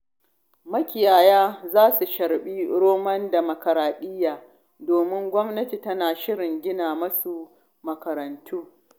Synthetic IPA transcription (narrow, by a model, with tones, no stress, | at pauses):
mɐ˦kʲɪ˨jaː˨jaː˦zaː˦su˨ʃɐ˨ɾɓiː˦ɾoː˦mɐ˦nda˨mɐ˨kɐ˨ɾaː˨ɗɪ˦jaː˨ | doː˨mɪ˦ŋɡʷɔ˦mnɐ˦ti˨tɐ˦naː˨ʃɪ˦ɽɪ˨ŋɡʲɪ˦naː˨mɐ˦su˨ | mɐ˨kɐ˨ɾɐ˨ntuː˦